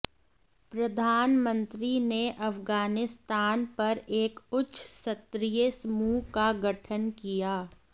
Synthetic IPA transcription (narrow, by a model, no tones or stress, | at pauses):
pɾɐd̪ʱaːnmə̃nt̪ɾineʔɐfɡaːnɪst̪aːnpɐɾeːkʊtːʃsɐt̪ɾijəsɐmuːkaɡɐʈʰənkijaː